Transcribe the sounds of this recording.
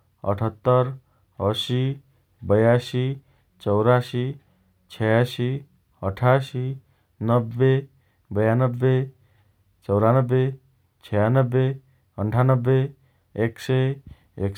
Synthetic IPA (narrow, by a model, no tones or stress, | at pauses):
ə̰ʈʰət̪ːəɾ | əsi | bəjasi | t͡ʃɔwɾasi | t͡ʃʰɛjasi | əʈʰaːsi | nəbːe | bəjanəbːe | t͡ʃɔwɾanəbːe | t͡ʃʰɛjanəbːe | əɳʈʰaːnəbːeː | kse | ek